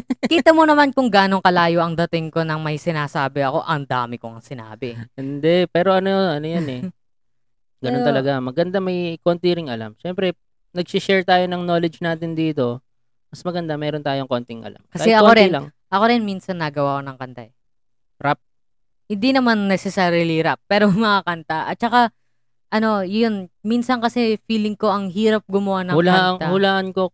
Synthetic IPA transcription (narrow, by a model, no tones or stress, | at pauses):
kiːt̪ɐmonɐmankʊŋɡaːno̞ŋkɐlaːjo̞ʔɐŋd̪ɐt̪ɪŋko̞nɐŋmɐjsɪnaːsaːbɪɐko̞ʔɐŋd̪a̰ːmɪkoɐŋsɪna̰ːbɪʔɪnd̪ɛpɛːɾo̞ʔɐnoɐnojanɛ | ɡɐnont̪ɐlɐɡamɐɡɐnd̪amɐjkont̪iɾɪŋɐla̰mʃɛmpɾɛ | nɐɡsɪʃɛɹt̪aːjo̞nɐŋnolɛd͡ʒnaːt̪ɪnd̪iːt̪o̞ | mɐsmɐɡɐnd̪amɛːɾont̪aːjoŋko̞nt̪ɪŋʔɐ̰la̰mkɐasɛʔɐkkoɾɪɪnlɐŋ | ʔɐko̞ɾɪnmiːnsɐnːɐɡɐwakonɐŋkɐnt̪a̰ʔɛ | ɾap̚ | hɪnd̪inɐmanːɛsɛsaːɾiliɾap̚ːɛːɾomɐŋakɐnt̪aʔɐt̪̚t͡ʃɐka | ʔɐno̞jonminsɐnkɐsɛfiːlɪŋko̞ʔɐŋɦiːɾɐp̚ɡʊmɐwanɐʊlaʔɐŋahʊlaːʔɐnko